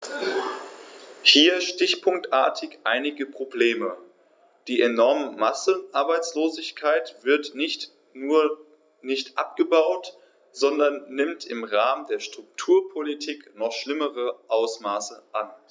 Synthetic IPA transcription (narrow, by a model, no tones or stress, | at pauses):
hiːɐʃtɪçpʰʊŋk̚tʔa̰ːɐtʰɪçʔa̰ɪnɪɡəpʁ̥obleːmə | d̥iːʔenɔɐməmasənʔaɐbaɪt͡sloːzɪçkʰaɪtv̥ɪɐt | uːɐ | nɪçtʔap̚ɡ̥əbaʊt | z̥ɔndɐnːɪmtʰɪmʁaːməndeːɐʃtʁ̥ʊk̚tʰuːɐpʰolitʰiːknɔχʃlɪməʁəʔaʊsmaːsəʔan